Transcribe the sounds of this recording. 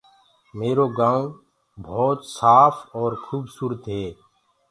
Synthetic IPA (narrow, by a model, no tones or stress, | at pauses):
meːɾoːɡãːũ | bʱɔːt̪saːfʰɔːɾkʰuːbsuːɾət̪ɦɛː